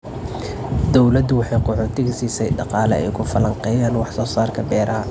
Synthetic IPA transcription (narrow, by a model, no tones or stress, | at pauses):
d̪ɔwlɐd̪ʊwɑħɑjqʊʕɔːt̪ʰɪɣɐsiːsɛjɖɑqɑːlɛ̰ɛ̰jkʰʊfɐlɐɴqɛjaːnwɑħsɔːsaːrkʰɐbɛːɾɐɦɐ